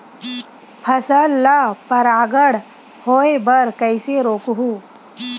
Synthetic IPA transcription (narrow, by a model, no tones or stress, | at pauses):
pʰɐsəlːapɐɾaːɡəɽ | hoːebəɾkəjseɾoːkɦu